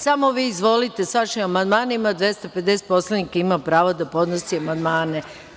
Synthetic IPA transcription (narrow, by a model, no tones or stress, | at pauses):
samoʋiːzʋo̞lit̪e̞sʋaʃimamand̪maːnimad̪ʋje̞st̪ape̞d̪e̞set̪po̞slanikaimapɾaːʋod̪apo̞d̪nosiamand̪maːne